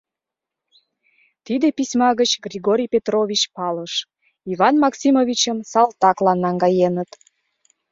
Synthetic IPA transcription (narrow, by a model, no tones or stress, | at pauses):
t̪id̪episʲmɑɣət͡ɕɡrʲiɣoɾʲijpet̪rovʲit͡ɕpɑləʃ | ivɑnmɑksʲimovʲit͡ɕəmsɑlt̪ɑklɑnːɑŋɡɑjenət̪